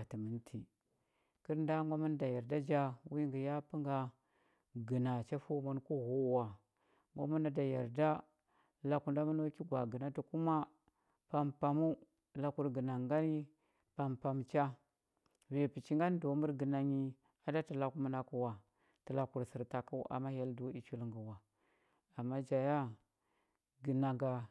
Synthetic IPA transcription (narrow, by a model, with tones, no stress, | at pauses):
a˨ti˨mə˨˦ntʰi˨ | kə˦ɾnda˦ŋɡa˦mu˦n˦da˨ja˨ɾda˦d͡ʒa˦wi˦ŋɡi˨ja˦pə˦ŋɡa˦ | ɡə˨na˨t͡ʃa˦fu˦mu˦nku˦ɣu˦wa˨ | ŋɡo̰˦mu˦na˨da˨ja˨ɾda˦ | la˨ku˨nda˦mu˦no˦ki˦ɡʷa˨ɡə˨na˦tu˨ku˦ma˦ | pa˦mpa˨mu˦ | la˨ku˦ɾɡə˨na˨ŋɡa˦ni˦ | pa˨mpa˨mt͡ʃa˦ | ve˨pi˨t͡ʃi˦ŋɡa˦n˦do˨˦mu˦ɾɡə˨na˨ɲi˦ | a˨da˦ti˨la˨ku˦mu˦na˨ku˨wa˨ | tə˨la˨ku˨ɾsi˨ɾta˨ku˦ʔa̰˨ma˦ja˦ldu˨˦i˨t͡ʃu˦lŋɡə˨wa˨ | a˨mːa˦d͡ʒa˨ja˦ | ɡə˨na˨ŋɡa˨